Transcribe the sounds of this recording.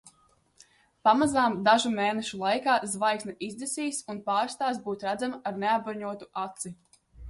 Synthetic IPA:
pamazaːmd̪aʒumeːnɛʃulˠajkaːzvajksnaʔizd̪esiːsunpaːɾst̪aːsbuːt̪ɾæd̪zamaaɾneabbaɾɲuɔt̪uat̪si

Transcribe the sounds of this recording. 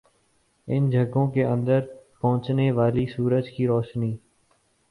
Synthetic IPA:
ɪnd͡ʒʱəɡõːkeːʔə̃nd̪əɾpəʊ̃t͡ʃneːʋaːliːsuːɾəd͡ʒkiːɾoːʃniː

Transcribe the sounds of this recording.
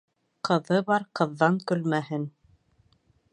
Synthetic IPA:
qʰɤ̆ðɤbɑɾqɤ̆ðːɑŋkɵ̆lmæhɘn

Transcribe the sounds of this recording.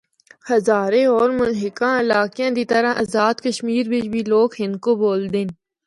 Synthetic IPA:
xɐzaːɾeɔːɾmʊnɦɪkãːɪlaːkjãːd̪it̪əɾãʔɐzaːd̪kəʃmiːɾbɪt͡ʃbʱiloːɡɦɪnkoboːld̪eːn

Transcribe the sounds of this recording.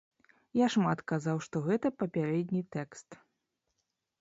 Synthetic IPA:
jaʂmat̪kazawʂt̪ɔɣɛt̪ɐpɐpʲaɾɛd̪ʲnʲit̪ɛkst̪

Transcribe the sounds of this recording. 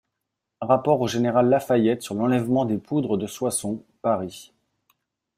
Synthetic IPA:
ʁapɔʁoʒeneʁalːafajɛt̪syʁlɑ̃lɛvmɑ̃d̪epud̪ʁəd̪əswasɔ̃paʁi

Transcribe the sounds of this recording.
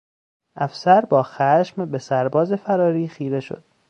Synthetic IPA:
ʔæfsæɾbɒːxæʃmbe̞sæɾbɒːze̞fæɾɒːɾiːxiːɾe̞ʃo̰d̪̥

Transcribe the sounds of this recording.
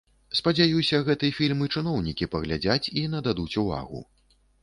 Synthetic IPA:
spɐd͡zʲajusʲɐɣɛt̪ɨjɐfʲilʲmɨt͡ʂɨn̪ɔwnʲikʲipɐɣlʲad͡zʲat͡sʲinɐd̪ad̪ut͡sʲuva̰ɣṵ

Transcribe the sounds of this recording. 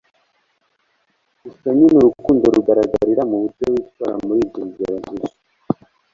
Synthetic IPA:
usaɲinuɾukuːndoɾuɡaɾaɡaɾiɾamuβutewiːt̚waɾa̰muɾiːdiɾizaɾaziʃḁ

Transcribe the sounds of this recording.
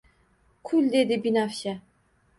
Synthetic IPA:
kʰuld̪ed̪ibinafɕɛ

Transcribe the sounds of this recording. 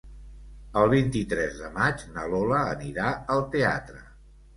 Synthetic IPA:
əlˠβ̞int̪it̪ɾɛzðəmad͡ʒnəloləːniɾaəlˠt̪ea̰t̪ɾə

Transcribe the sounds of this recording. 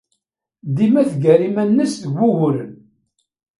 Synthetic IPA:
d̪imæθɡæɾimænːəsθəɡʷːuʝʊɾən

